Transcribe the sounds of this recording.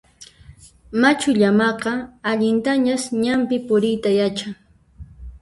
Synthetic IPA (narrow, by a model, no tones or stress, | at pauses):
mat͡ʃʊʎamɑqɑaʎɪnt̪aɲasɲampɪpʊɾɪjt̪ajat͡ʃaŋ